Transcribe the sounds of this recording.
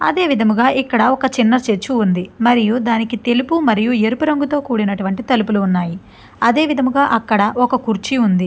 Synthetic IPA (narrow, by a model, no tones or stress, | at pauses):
ɐ̰d̪e̞ːʋid̪ʱɐmuɡaːʔikːɐɽɐɔkɐt͡ʃinːɐt͡ʃet͡ʃːuːnd̪imɐɾijud̪aːnikit̪e̞lupumɐɾijueɾupuɾɐŋɡut̪o̞ːkuːɽinɐʈuʋɐɳʈit̪ɐlupuluːnːaːji | ɐd̪e̞ːʋid̪ʱɐmuɡaːʔɐkːɐɽɐʔɔkɐkuɾt͡ʃiund̪i